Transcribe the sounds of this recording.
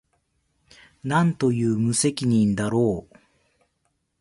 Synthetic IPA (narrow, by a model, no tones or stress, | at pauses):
nãnt̪o̞jɯ̟ːmɯ̟se̞kʲiɲ̟ĩnd̪aɾoː